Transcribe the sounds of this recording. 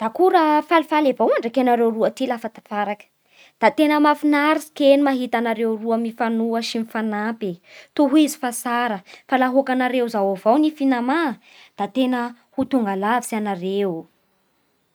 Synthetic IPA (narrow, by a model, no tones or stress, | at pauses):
d̪̥akuɾəfalifalebawaɳɖ͡ʐakenaɾewruət̪ilafat̪apaɾakə̥ | d̪̥at̪enəmafinaɾisi̥kenimaɦit̪anaɾewruəmifanuəʃimifanapit̪uɦizi̥fasaɾəfalaɦokanaɾewzawavawnifinama | d̪̥at̪enə | hut̪uŋɡalavisianaɾew